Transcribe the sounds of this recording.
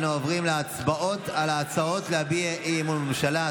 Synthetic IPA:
nuovʁimleat͡sbao̞talaːt͡sao̞t̪leabieʔiːmulmemʃala

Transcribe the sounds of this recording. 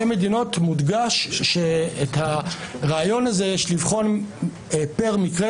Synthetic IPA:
eme̞dino̞t̪mud̪ɡaʃːeːthaʁaːjo̞nazejeʃlivχo̞n | peʁmikʁe

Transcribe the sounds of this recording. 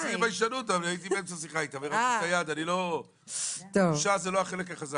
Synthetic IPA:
ibaiʃtanut̪avliait̪̬ibeemt͡sasiχaait̪iaviʁakajad̪anilo | t̪oʃazeloaχele̞kaχaza

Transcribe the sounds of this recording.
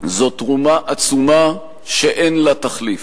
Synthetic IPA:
zo̞t̪ʁumaʔat͡suma | ʃeʔenlat̪aχlif

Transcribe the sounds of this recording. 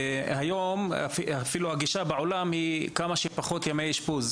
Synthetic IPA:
hajoma̰fiafiluhaɡiʃabeʕolamhikamaʃepaχo̞t̪jamejiʃpuz

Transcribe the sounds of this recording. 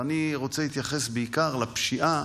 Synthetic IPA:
aniʁo̞t͡sehit̪jaχe̞sbeikaʁlapʃiʔa

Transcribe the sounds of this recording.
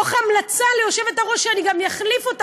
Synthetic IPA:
oχamlat͡salejo̞ʃe̞ve̞taʁo̞ʃʃeaniɡamjaχlifo̞t

